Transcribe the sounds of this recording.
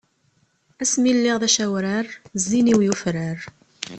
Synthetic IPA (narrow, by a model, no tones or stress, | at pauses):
æsmilːiʁðæʃæwɾəɾzːiniwjufɾəɾ